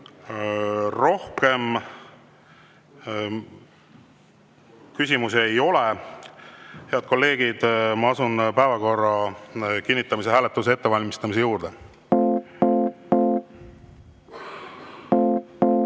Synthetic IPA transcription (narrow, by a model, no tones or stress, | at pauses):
ro̞hke̞m | kysʲimus̬e̞jo̞le | he̞ɑd̪̥̚ko̞lːe̞ːɡ̥id̪̥mɑɑsunpæevɑko̞rːɑkinːit̪ːˑɑmiseɦæːlet̪ːˑus̬ee̞t̪ːe̞vɑlʲmist̪ɑmis̬e̞juːɾd̪̥e̞